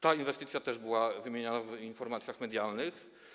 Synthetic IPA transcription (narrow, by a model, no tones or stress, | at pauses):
t̪ainvɛst̪ɘt̪sʲjat̪ɛʐbɘwavɘmʲjeɲanavinfɔɾmat̪sʲjaxmɛd̪jalnɘx